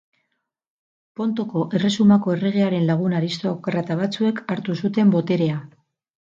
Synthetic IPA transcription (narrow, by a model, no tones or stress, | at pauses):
po̞nt̪o̞ko̞ʔe̞re̞sumako̞e̞re̞ɣ̞e̞aɾe̞nlaɣ̞unaɾist̪okrat̪aβ̞at͡sue̞kaɾt̪usut̪e̞mbo̞t̪e̞ɾe̞a